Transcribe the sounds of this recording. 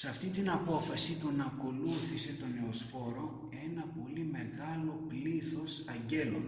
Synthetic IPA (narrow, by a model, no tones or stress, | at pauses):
sɐft̪int̪inɐpo̞fɐsit̪unɐːko̞luθise̞t̪o̞ne̞osfo̞ɾo̞ | e̞nɐpo̞lime̞ɣɐlo̞pliθo̞sɐɲɟe̞lo̞̰